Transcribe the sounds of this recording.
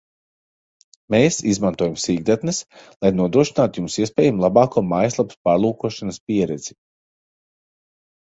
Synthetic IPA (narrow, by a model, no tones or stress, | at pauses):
meːsizmant̪uɔjamsiːɡd̪at̪nɨslˠajnuɔd̪ɾuɔʃinaːt̪ujumsiɛspɛːjamlˠabɑːkuɔmajslˠap̚t̪paːɾlˠuːkuɔʃanɐspʲiɛɾɛd̪z̥i